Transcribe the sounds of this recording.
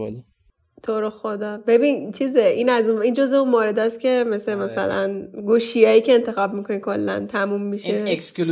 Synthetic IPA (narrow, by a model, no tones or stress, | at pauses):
t̪ʰoɾoxod̪ɒbe̞bint͡ʃʰizeiːnæzuniːnd͡ʒozeũnmoːɾe̞d̪ɒːscʰʲe̞meslemæsæ̰læ̰nɡuʃijɒːjiːcʰe̞ːnt̪ʰe̞xɒːb̚miko̞nikʰo̞lːæ̰nt̪ʰæmumːiʃeeksl